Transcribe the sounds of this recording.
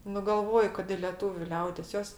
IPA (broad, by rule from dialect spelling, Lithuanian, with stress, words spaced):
nʊ ˈɡɐlˠʋoːjʊ kɐt ɪ lʲiɛˈtuːʋʲʊ ˈlʲɛʊdʲeːs ˈjoːs